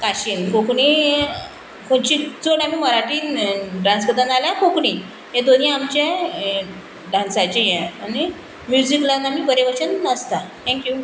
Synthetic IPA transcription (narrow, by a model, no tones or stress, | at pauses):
kaɕiːnkokɳiː | kʰoɳt͡ɕit͡soɽam̤iːməɾaʈinʈɾãnspəɾt̪ãnalakokɳi | jẽd̪oniamt͡ɕa | ɖãnsat͡ɕejɛ̃ani | mjud͡ʑiklanam̤iːpəɾjeʋət͡ɕənəst̪at̪ʰɛ̃ŋkju